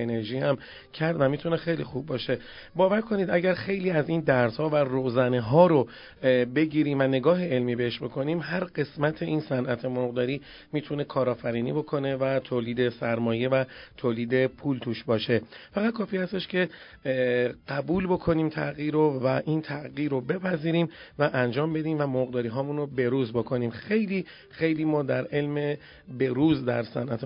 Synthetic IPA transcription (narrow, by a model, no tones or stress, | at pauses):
ene̞ɾʒiːhæm | cʰæɾd̪væmiːt̪ʰune̞xe̞jlḭxubːɒːʃe̞ | bɒːvæɾkʰo̞niːd̪æɟæɾxe̞jliːæziːnd̪æɾshɒːværoːzæneɦɒːɾo | be̞ɟiːɾiːmvæne̞ɡɒːɦe̞elmiːbe̞heʃbo̞kʰo̞niːmɦæɾɢe̞smæt̪ʰe̞ʔiːnsænʔæt̪ʰe̞moɣd̪ɒːɾiː | miːt̪ʰune̞kʰɒːɾɒːfæɾiːnḭbo̞kʰo̞ne̞væt̪ʰoːliːd̪e̞sæɾmɒːje̞væt̪ʰoːliːd̪e̞pʰuːlt̪ʰuːʃbɒːʃe̞fæʁæt̪̚kʰɒːfiːhæst̪e̞ʃcʰe̞ | ɢ̥æbuːlbo̞kʰo̞niːmt̪ʰæ̰ɣiːɾovæʔint̪ʰæʔɣiːɾobe̞pʰæziːɾiːm | væʔænd͡ʒɒːmbe̞d̪iːmvæmoɣd̪ɒːɾiːɦɒːmunɾobe̞ɾuːzbo̞kʰo̞niːmxe̞jliː | xe̞jliːmɒːd̪æɾʔe̞lme̞ | be̞ɾuːzd̪æ̰ɾsæ̰nʔæt̪ʰe